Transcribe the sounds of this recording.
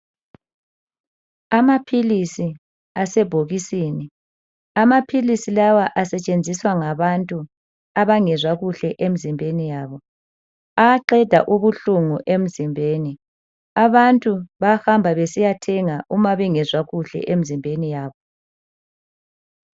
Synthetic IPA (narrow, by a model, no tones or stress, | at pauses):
amapʰilisi | asɛb̥ʱoɣisiːni | amapʰilisilawaʔasɛt͡ʃʼend͡zʱiswaŋaβantʼu | aβaŋɛzwaɣuɬɛʔem̩zimbʱenijaːβɔ | aǃɛd̥ʱaʔuβuɬuŋuʔem̩zimbʱeːni | aβantʼuβahambʱaβesijatʰɛŋaʔumaβɛŋɛzwaɣuɬɛ̰ʔem̩zimbʱenijaːβɔ